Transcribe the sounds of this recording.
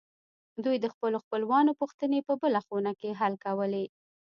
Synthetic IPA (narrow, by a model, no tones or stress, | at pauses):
d̪ujd̪əxpəloxpəlwɑnopuxt̪ənepəbəlaxonakeɦalkawəle